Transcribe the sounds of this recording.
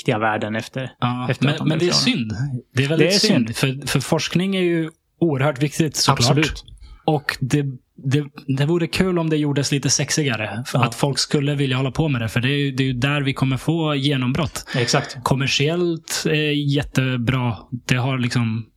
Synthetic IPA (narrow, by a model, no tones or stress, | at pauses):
t̪ɪɡavæːɖənɛft̪əɾɑːɛmɛnmɛnd̪ɛæɾsʏnd̪d̪ɛːɾvɛld̪sʏnd̪fœɾfœɾfɔʂknɪŋæɾjɵ | uːəɾhœːʈvɪk̚t̪ɪt̪sɔklɑːʉt̪ɔkd̪ɛ | d̪ɛd̪ɛvuːɾəkʰʉ̟ːlɔmd̪ɛjuːɖəsliːt̪əsɛksɪɡaɾəat̪fɔlkskɵlːəvɪljahɔlːapʰɔmɛd̪ɛfœɖɛːɾjɵd̪ɛjɵd̪æɾvɪkʰɔmːəɾfoːjeːnɔmbɾɔt̪ːɛsakt̪kʰɔmːæʂɪɛlt̪ɛjɛt̪ːəbɾɑːd̪̥ɛɦaɾɭɪksɔm